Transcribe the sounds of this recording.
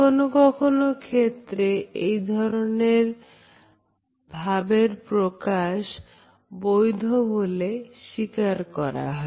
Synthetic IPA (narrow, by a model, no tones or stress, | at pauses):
onokɔkʰonokʰet̪ːɾeejd̪ʱɔɾoneɾ | bʱabeɾpɾokaʃ | bojd̪ʱoboleʃikaɾkɔɾa̰ɦɔe